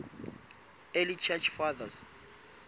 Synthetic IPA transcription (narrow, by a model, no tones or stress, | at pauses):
ɛlit͡ʃʰɛt͡ʃfaðas